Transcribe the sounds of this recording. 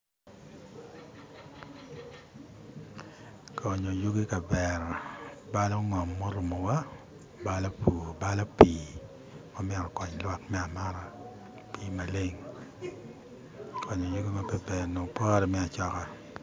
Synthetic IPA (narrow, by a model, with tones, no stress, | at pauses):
kʰɔ˨ɲo˨jo˦ɡe˦ka˨bɛ˨ɾba˦lɔ˦ŋɔ˨mːo˦ɾu˨mo˨wa˦ | ba˦lo˦pʰu˨ba˦lo˦piː˦ | mɔ˦mɛ˦ɾɔ˨kɔ˨ɲ˨lwa˦kmɛ˦a˨ma˦ɾa˨ | piː˦ma˨le˦ŋ | kʰɔ˨ɲo˨jo˦ɡe˦ma˦be˨be˨no˨pɔː˦ɾɛ˨mɛ˦a˨t͡ʃɔ˦ka˨